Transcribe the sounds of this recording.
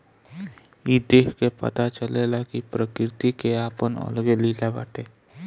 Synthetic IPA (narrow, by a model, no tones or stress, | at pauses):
jid̪eːkkepə̰t̪at͡ʃəlelakipɾəkɾɪt̪ikeaːpənə̰lɡeliːlaba̰ːʈeː